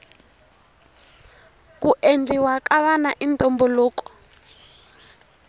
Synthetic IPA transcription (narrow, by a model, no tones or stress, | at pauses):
kuʔend͡zʱiwakaβanaʔintʼɔmbɔlɔːkɔ̥